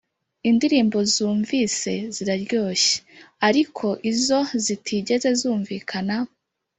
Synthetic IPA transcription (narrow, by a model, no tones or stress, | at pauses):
indiɾiːmbo̞zuːɱviːse̞ziɾaɾɟo̞ːʃe̥aɾikʰo̞ʔizo̞zitʰiɟe̞ze̞zuːɱviːkʰana